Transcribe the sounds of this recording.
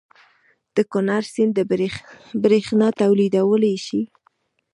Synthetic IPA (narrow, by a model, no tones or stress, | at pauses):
d̪̥əkʊnaɾsɪnd̪ə | bɾexnɑt̪awlid̪awəlajʃi